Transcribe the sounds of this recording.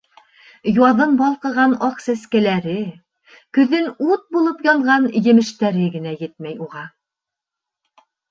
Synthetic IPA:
jwɑðɤnbɒlˠqɤ̆ʁɑnɒqsæskælæɾɘ | kɵ̆ðɘnut̪̚bulˠɤpjɒɴʁɑnjɘ̆mɘ̆ʃt̪æɾɘɡɘ̆næjɘt̪̚mæjuʁɑ

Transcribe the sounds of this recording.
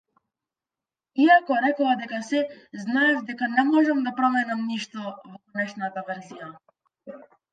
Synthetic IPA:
iakɔɾɛkɔad̪ɛkasɛznaɛvd̪ɛkanɛmɔʒɛmd̪apɾɔmɛnamniʃt̪ɔvɔkɔnɛʃnat̪avɛɾzija

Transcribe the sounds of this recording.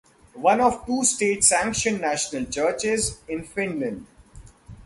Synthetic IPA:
ʋʌ̃nɔʋʈuːsʈeːʈsæ̃ŋkʃə̃nːæʃənəlt͡ʃəːt͡ʃɪzɪ̃nfɪ̃nlə̃ɳɖ

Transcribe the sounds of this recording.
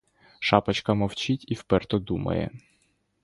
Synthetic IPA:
ʃɑpɐt͡ʃkɐmɔwt͡ʃitʲiwpɛrt̪ɔd̪umɐ̰jɛ̰

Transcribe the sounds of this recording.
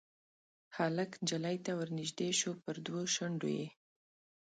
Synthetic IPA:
haləknd͡ʒalajt̪awəɾnɪʒd̪eʃopəɾd̪woʃəɳɖo̰je

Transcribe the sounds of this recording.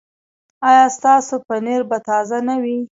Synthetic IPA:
ɑjɑst̪ɑsopəneɾbat̪ɑzanawi

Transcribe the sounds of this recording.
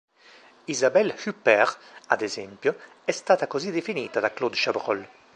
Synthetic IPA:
izabɛlhypːɛɾa̰d̪ezɛmpjo | ɛst̪aːt̪akozid̪efiniːt̪ad̪aklod̪ʃabɾɔ̰l

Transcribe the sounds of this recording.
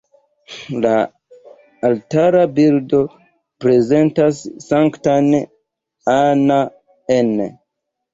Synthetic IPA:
laː | ltaɾabildo̞ | pɾe̞ze̞ntasːaŋktan | ana | ene

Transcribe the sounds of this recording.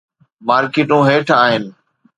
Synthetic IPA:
maːɾkeːʈũːɦeːʈʰaːɦɪn

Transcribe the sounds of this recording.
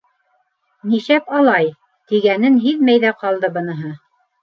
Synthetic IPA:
niʃæpɑlˠɑj | t̪iɡænɘnɦiðmæjðæqɑlˠd̪ɤbɤ̆nɤ̆ɦɤ

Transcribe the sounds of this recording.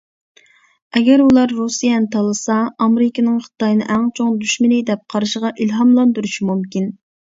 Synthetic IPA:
ɛɡʲɛɾulˠɑɾːusijɛnɨt̪ʰɑlˠɨsɑɑmeɾɪkʲinɨŋχɨ̥t̪ɑjnɨ̰ʔæŋt͡ʃʰoŋd̪yʃmɪlɪd̪ɛp̚qʰɑɾɨʃəʁɑʔilɦɑmlˠɑnd̪uɾuʃimumkʲin

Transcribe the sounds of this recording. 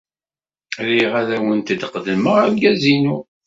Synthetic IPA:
ɾiʁæðæwənt̪əd̪qðəməʁəlɡæzinu

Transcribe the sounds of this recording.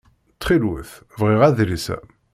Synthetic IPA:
t͡sːχilwəθ | vʁiʁæðɾisæ̰

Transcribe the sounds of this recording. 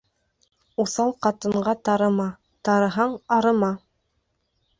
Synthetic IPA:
usɑlˠqɑt̪ɤ̆ɴɢɑt̪ɑɾɤ̆mɑ | t̪ɑɾɤ̆ɦɑɴɑɾɤ̆mɑ

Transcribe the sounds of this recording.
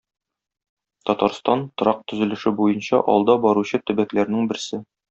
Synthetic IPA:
t̪ɒt̪ɑɾst̪ɑnt̪ŏɾɑq̚t̪ɵ̆zɵ̆lɘ̆ʃɘbujɤnɕɑ̰ʔɒ̰lˠd̪ɑbɒɾuɕɤt̪ɵ̆bæklæɾnɘŋbɘ̆ɾsɘ

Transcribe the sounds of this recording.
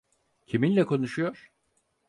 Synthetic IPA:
cʰiminlʲɛkʰo̞nuʃujo̞ɾ̥

